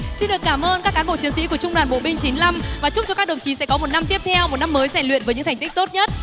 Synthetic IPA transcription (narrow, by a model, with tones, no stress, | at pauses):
si˧nɗɨ˨˩əkːaː˧˩mʔəː˧nkaː˦˥kːaː˨˦nɓo̰˧˨t͡ɕi˨˦əŋsḭ˧˥ku˧˩ət͡ɕʊ˧ŋ͡mɗwaː˨˩nɓo̰˧˨ɓï˧ŋ̟t͡ɕi˨˦nla˧mvaː˨˩t͡ɕʊ˦˥k͡p̚t͡ɕɔ˧kaː˦˥ɗə˨˩ŋ͡mt͡ɕi˨˦sɛ̰˧˥kɔ˨˦mo˨˩t̚na˧mt̪i˦˥ət̪ʰɛ˧wmo˨˩t̚na˧mːəː˨˦jsɛ˧˩nlwḭ˧˨ənvə˨˦jɲɨ̰˧˥t̪ʰŋ̟t̪ï˦˥k̚t̪o˦˥t̚ɲə˦˥t̚